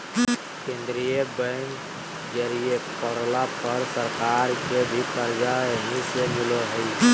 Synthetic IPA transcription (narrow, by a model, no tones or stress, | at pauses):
kẽnd̪ɾijebəɪn | d͡ʒəɾiepəɾlapəɾsəɾkaɾkebʱikəɾd͡ʒaɦisemɪloɦəɪ